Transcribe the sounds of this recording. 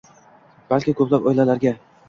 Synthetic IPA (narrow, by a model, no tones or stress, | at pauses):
b̥alkʲɪkʰɵplapɒjlalaɾɡʲa